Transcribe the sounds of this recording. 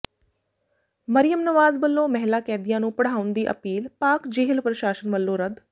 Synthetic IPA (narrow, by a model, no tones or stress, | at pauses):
məɾɪjəmnəʋaːzbəlːõːmɛɦlaːkɛ̃ːd̪ɪjãːnũːpəɽ̤aːʊnd̪iːʔə̰piːlpaːkd͡ʒeːɦɪlpɾəʃaːʃənʋəlːõːɾəd̪